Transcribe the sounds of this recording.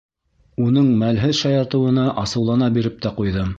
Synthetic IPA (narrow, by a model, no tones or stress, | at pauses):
unɤɴmælɦɘðʃɑjɑɾt̪ɤ̆wɤ̆nɑʔɑsɤ̆wlˠɑnɑbiɾɘp̚t̪æqujðɤm